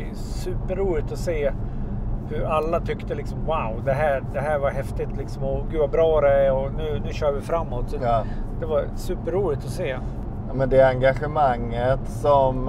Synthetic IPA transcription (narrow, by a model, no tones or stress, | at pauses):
sʉ̟ːpəɾːuːlɪt̪ɔseː | hɵɾalːat̪ʰʏkt̪əlɪksɔmwaʊd̪ɛɦæːɾd̪ɛɦæːɾvaɾɦɛft̪ɪt̪lɪksɔmɔɡʉd̪vabɾɑːɾɛæɔnʉ̟ːnʉ̟ːɕœːɾvɪfɾamːɔt̪sɔd̪̥ɛvaɾsʉ̟ːpəɾːuːlɪt̪ɔseː | ɑmɛnd̪ɛaŋɡaɧɛmaŋːət̪sɔm